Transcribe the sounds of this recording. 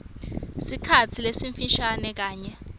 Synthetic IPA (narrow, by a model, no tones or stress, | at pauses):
sikʰat͡sʰilesiɱfiʃanɛk̬aːɲɛ